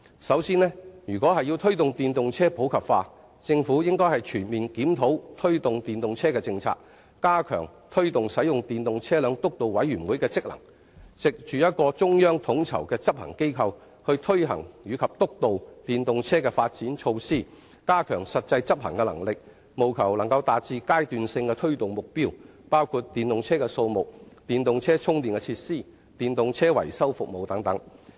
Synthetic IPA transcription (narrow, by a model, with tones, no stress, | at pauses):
sɐ˨˥wsiː˥nlɛː˥jyː˨˩kʷɔː˨˥ɦɐ˨ji˧wt̪ʰɵ˥ɥt̪ʊ˨ŋt̪iː˨nt̪ʊ˨ŋt͡sʰɛː˥po˨˥wkʰɐ˨p̚faː˧ | t͡sɪ˧ŋfuː˨˥jɪ˥ŋkɔː˥jhɐ˨jt͡ʃʰyː˨˩nmiː˨nkiː˨˥mt̪ʰo˨˥wt̪ʰɵ˥ɥt̪ʊ˨ŋt̪iː˨nt̪ʊ˨ŋt͡sʰɛː˥kɛː˧t͡sɪ˧ŋt͡sʰa̰ː˧k̚ | kaː˥kʰœ̰ː˨˩ŋt̪ʰɵ˥ɥt̪ʊ˨ŋsɐ˨˥jʊ˨ŋt̪iː˨nt̪ʊ˨ŋt͡sʰɛː˥lœː˨˧ŋt̪ʊ˥k̚t̪o˨wwɐ˨˥jɥyː˨˩nwuː˨˥jkɛː˧t͡sɪ˥k̚lɐ̰˨˩ŋ | t͡sɪ˨k̚t͡ʃyː˨jɐ˥t̚kɔː˧t͡sʊ˥ŋjœː˥ŋt̪ʰʊ˨˥ŋt͡sʰɐ̰˨˩wkɛː˧t͡sɐ˥p̚hɐ̰˨˩ŋke˥jkʰɐ˧w | hɵ˧ɥt̪ʰɵ˥ɥɦɐ̰˨˩ŋjyː˨˧kʰɐ˨p̚t̪ʊ˥k̚t̪o˨wt̪iː˨nt̪ʊ˨ŋt͡sʰɛː˥kɛː˧faː˧t̚t͡siː˨˥nt͡ʃʰo˧wsiː˥ | kaː˥kʰœː˨˩ŋsɐ˨t̚t͡sɐ˧jt͡sɐ˥p̚hɐ˨˩ŋkɛ˧lɐ˨˩ŋlɪ˨k̚ | mo˨˩wkʰɐ˨˩wlɐ˨˩ŋkɐ˧wt̪aː˨t͡siː˧kaː˥jt̪yː˨nsɪ˧ŋkɛː˧t̪ʰɵ˥ɥt̪ʊ˨ŋmʊ˨k̚piː˥w | paː˥wkʰuː˧t̚t̪iː˨nt̪ʊ˨ŋt͡sʰɛː˥kɛː˧so˧wmʊ˨k̚t̪iː˨nt̪ʊ˨ŋt͡sʰɛː˥t͡sʰʊ˥ŋt̪iː˨˩nkɛ˧t͡sʰiː˧t̚siː˥ | t̪iː˨˩nt̪ʊ˨ŋt͡sʰɛː˥wɐ̰˨˩jsɐ˥wfʊ˨k̚mo˨wt̪ɐ˨˥ŋt̪ɐ˨˥ŋ